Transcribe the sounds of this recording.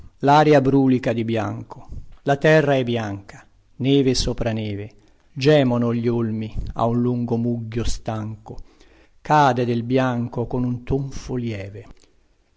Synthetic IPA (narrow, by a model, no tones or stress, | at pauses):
laːɾjabɾuːlikad̪ibja̰ŋkolat̪ɛrːaɛbːjaŋkḁ | nɛːvesoːpɾanɛːve | d͡ʒɛːmonoʎːolmia̰unluŋɡomuɡːost̪aŋko | kaːd̪ed̪elbjaŋkokonunt̪uɱfoljɛːve